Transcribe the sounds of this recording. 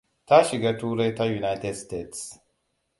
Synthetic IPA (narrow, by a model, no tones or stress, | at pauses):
t̪aʃiɡɐt̪uːɾet̪ajunajt̪edst̪et̪s